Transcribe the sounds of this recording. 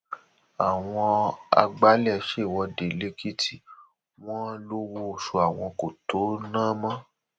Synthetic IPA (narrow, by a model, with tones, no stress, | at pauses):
a˨w̃ɔ̃˧a̰˧ɡ͡ba˦lɛ˦˨ʃe˦˨wɔ˧de˨le˨˦kʰi˦tʰi˨ | w̃ɔ̃˦lo˦wo˧˨ʃo˧a˨w̃ɔ̃˧ko˨to˨˦nãː˦mã˦